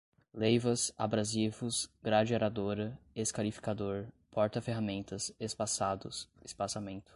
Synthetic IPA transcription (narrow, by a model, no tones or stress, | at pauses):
lejvɐsa̰bɾazivʊsɡɾad͡ʒeɾad̪oɾɐeskalifi̥kad̪oɾ | pɔɾt̪ɐfeɦamẽnt̪ɐsespasad̪ʊsɪspasamẽnt̪ʊ̥